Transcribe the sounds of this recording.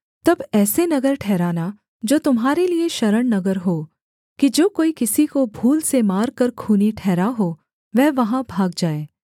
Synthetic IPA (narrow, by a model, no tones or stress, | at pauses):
t̪ɐbɛːsenɐɡəɾʈʰɛːɾaːna | d͡ʒoːt̪ʊmɦaːɾelieʃɐɾəɽnɐɡəɾɦoː | kid͡ʒoːkoːikɪsikobʱuːlsemaːɾkɐɾkʰuːniʈʰɛːɾaɦoː | ʋɛɦʋɐɦãbʱaːɡd͡ʒaːeː